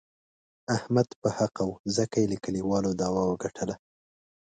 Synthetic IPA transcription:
ahmad̪pəhaqawzəkajeləkəliwɑlod̪ɑwɑwəɡaʈʰəla

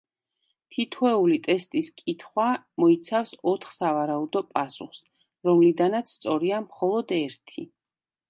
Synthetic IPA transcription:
t̪ʰit̪ʰwɛulit̪ʼɛst̪ʼiskʼit̪ʰχwa | mɔit̪sʰafsɔt̪ʰχsavaɾaud̪ɔpʼasṵχs | ɾɔmlid̪anat̪sʰst̪sʼɔɾiamχɔlˠɔd̪ɛɾt̪ʰi

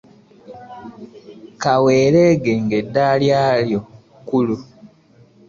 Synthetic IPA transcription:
kaweːɾeɡeŋɡedːaːljaːljo̞ | kulu

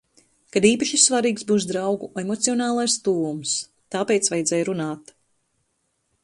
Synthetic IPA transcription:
kad̪iːpaʃissːvaɾiːksbuːs̬d̪ɾawɡuemɔt̪siɔnaːlˠajst̪uːums | t̪aːpɛjt̪svajd̪zɛːjɾunaːt̪

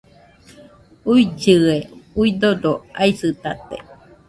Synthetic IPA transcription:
uid͡ʒɨeuid̪odoaisɨt̪at̪ḛ

